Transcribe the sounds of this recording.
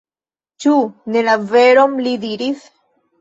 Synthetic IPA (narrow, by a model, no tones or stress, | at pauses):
t͡ʃunenaveɾomlid̪iɾis